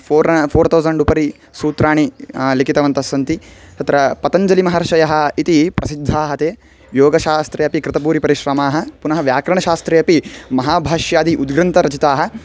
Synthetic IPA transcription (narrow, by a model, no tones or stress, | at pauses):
pʰoːɾpʰoːɾt̪ʰɐwzɐɳɖupɐɾi | suːt̪ɾaːɳilikit̪ɐʋɐnt̪ɐsːɐnt̪it̪ɐt̪ɾɐpɐt̪ɐɲd͡ʒɐlimɐɦɐɾɐʃɐjɐɦɐ̆it̪ipɾɐsid̪ʱːaːɦɐt̪eː | joːɡɐʃaːst̪ɾeːɐpikɾɪt̪ɐpuːɾipɐɾiʃɾɐmaːɦɐ̆punɐɦɐʋjaːkɾɐɳɐʃaːst̪ɾeːɐpimɐɦaːbʱaːʃjaːd̪iʔud̪ɡɾɐnt̪ɐɾɐt͡ʃit̪aːɦɐ̆